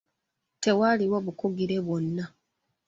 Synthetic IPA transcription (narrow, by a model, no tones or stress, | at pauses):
te̞waliwoβukuɡiɾe̞βwo̞nːa